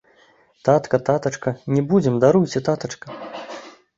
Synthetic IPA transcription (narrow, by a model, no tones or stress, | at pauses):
t̪at̪kɐt̪at̪ɐt͡ʂkɐnʲɛbud͡zʲɛmd̪aɾujt͡sʲɛt̪at̪ɐt͡ʂkɐ